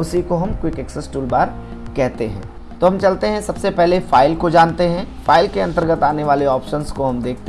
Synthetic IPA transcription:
ʊsikoɦɐmkwɪkɛksəsʈuːlbaːɾ | kɛɦt̪eɦɛ̰̃ | t̪oːɦɐ̃mt͡ʃɐlt̪eɦɛ̃sɐbsepɛɦlefaːɪlkod͡ʒãːnt̪eɦɛ̃faːɪlkeɐ̃nt̪əɾɡət̪aːneʋaːleɔːpʃənskoɦɐmd̪eːk̚ʰt̪e

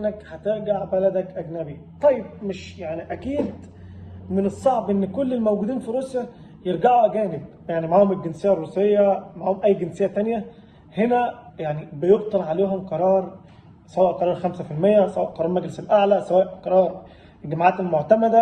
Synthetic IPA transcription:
ʔnːækhæt̪eɾɡaʕbælæd̪ækʔæɡnæbi | t̪ˤɑjːeb̚meʃjaʕniʔækiːd̪ | mɪnesˤːɑʕbʔenːkolːelmæwɡuːd̪iːnfiɾuːsjæ | jeɾɡaʕuʔæɡæːneb̚ | jaʕnimaʕaːhomelɡɪnsejːærˤːuːsejːæmaʕaːhomʔæjːɡensejːæt̪ænjæ | henæjaʕnibɪjobt̪ˤɑlʕaleːɦomqɑɾˤɑːɾˤ | sæwæːʔqɑɾˤɑːɾˤxæmsæfilmejːæsæwæːʔqɑɾˤɑːɾˤmæɡleselʔaʕlæsæwæːʔqɑɾˤɑːɾˤ | ɡæmʕaːt̪elmoʕt̪æmæd̪æ

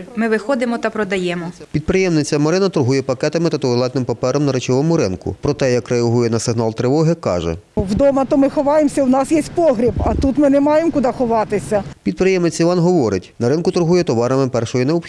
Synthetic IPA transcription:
mɪʋɪxɔd̪ɪmɔt̪ɐpɾɔd̪ɐjɛmɔpʲid̪̚pɾɪjɛmnɪt͡sʲɐmɔɾɪnɐt̪ʊɾɦujɛpɐkɛt̪ɐmɪt̪ɐt̪ɔʋɪlˠɛt̪nɪmpɐpɛɾɐmnɐɾɪt͡ʃɔʋɔmʊɾɪnkʊ̰pɾɔt̪ɛjɐkreɐɦujɛnɐsɪɦn̪ɑlˠt̪ɾɪʋɔɦɪkɑ̰ʒɛ̰ʋd̪ɔmɐt̪ɔmɪxɔʋɑjemsʲɐwnɑsjɛsʲtʲpɔɦɾʲibɐt̪ut̪mɪnɛmɑjemkʊd̪ɑxɔʋɑt̪ɪsʲɐpʲid̪̚pɾɪjɛmnɪt͡sʲiʋɑnɦɔʋɔɾɪtʲnɐɾɪnkʊt̪ʊɾɦujɛt̪ɔʋɑɾɐmɪpɛrʃɔjineɔbx

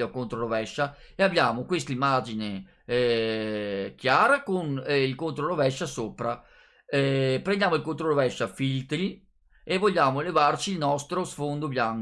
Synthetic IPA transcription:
okont̪ɾoɾovɛʃːa | eabjaːmokwest̪imːaːd͡ʒine | k̟jaːɾakonilkont̪ɾolovɛʃːasopɾa | ɛpɾend̪jaːmoilkont̪ɾoɾovɛʃːafilt̪ɾi | evːoʎːaːmoelevart͡ʃilnɔst̪ɾosfond̪objaŋk

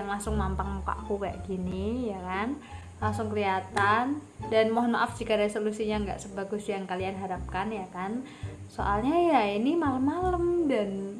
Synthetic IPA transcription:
aŋlaŋsʊŋmampaŋpa̰ʔkuɡaʔɡinijakan | laŋsʊŋkəɾiat̪andanmɔɦnaʔafd͡ʒikaɾesolusiɲaŋɡa̰ʔsəbaɡʊsjaŋkalianɦaɾap̚kanjakan | so̰ʔalɲajainimaləmːaləmdan

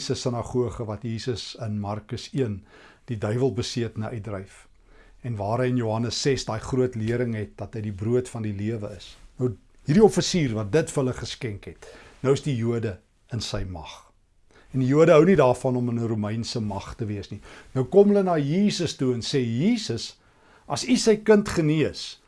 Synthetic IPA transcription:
səsənɑχuəχəvɐtjiːsəsənmɐrkəsiənd̥idœɥvəlˠbəsiətnəʔœj̚drɛjf | ɛnvɑːɾɦəjənjuɦɐnəsːɛsdɑːjχruətliəɾəŋɦɛt̚dɐtɦəjdibruətfɐndiliəvəəsnəw | ɦirdiɔfəsiːrvɐt̚dətfərɦələχəskɛŋkɦɛtnəwəsdijuədə | ənsɛjmɐχ | ɛndijuədəɦœwnidɑːrfɐnɔmənəɾumɛjnsəmɐχtəviəsninəwkɔmɦələnɑːjiːsəstuɛnseːjiːsəs | ʔɐsisəjkəntχəniəs

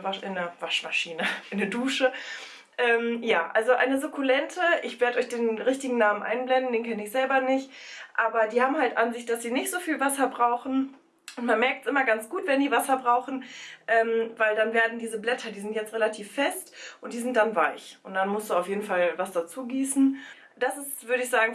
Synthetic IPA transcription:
vaʔɪnɐvaʃmaʃiːnəʔɪnəduːʃə | ʔɛːmjaːʔa̰lzoʔa̰ɪnəzʊkʰulɛntʰəʔɪçv̥eːɐɾəɔʏçd̥eːnʁɪçtɪɡŋ̩naːmənʔa̰ɪnblɛndn̩deːnkʰɛnəɪçz̥ɛlbɐnɪçtʔaːbɐdiːhaːbm̩haltʔanzɪçt̚d̥asz̥iːnɪçtz̥oːfiːlvasɐbʁaʊxn̩ | ʔʊntmanmɛɐk̚tsʔɪmɐɡant͡sɡ̥uːtv̥ɛndiːvasɐbʁaʊxn̩ʔɛːmvaɪldanveːɐdn̩diːzəblɛtʰɐdiːzɪntjɛt͡stʁelatʰiːfːɛstʔʊntd̥iːzɪnt̚d̥anvaɪçʊntd̥anmʊstd̥uːaʊfjeːdn̩falvasd̥at͡suːɡiːsn̩ | d̥asɪstv̥ʏɐɾəɪçz̥aːɡŋ̩

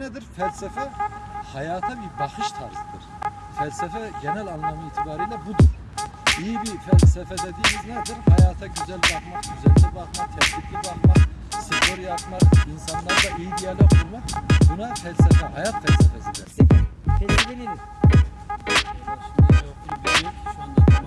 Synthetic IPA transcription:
nɛd̪iɾfɛlʲsɛfɛhɑjaːt̪ʰabibɑχɯʃt̪ʰaɾzɯd̪ɯɾ̥ | fælʲsɛfɛɟenælʲanlˠamɯiːt̪ʰibaːɾijlʲɛbud̪uɾ̥ | ijibifɛlʲsɛfɛd̪ɛd̪ijmiznɛd̪iɾhajaːt̪ʰaɟyzælʲbaqmaqɟyzɛlʲːɛbaχmaqt̪ʰɛht̪ʰit̪libaχmaqsifoɾjapmaqinsanlˠaɾd̪aijib̪ijɛlʲækʰuɾmaqbunafælʲsɛfɛɦajat̪fælʲsɛfɛsilæɾ | od̪aooʃnd̪a

